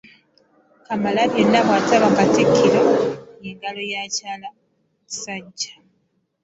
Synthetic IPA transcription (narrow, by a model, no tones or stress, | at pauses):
kamalaβjenːaβwataɾoŋɡatekʰːiɾojeŋɡalojacaːla | ci̥saɟːḁ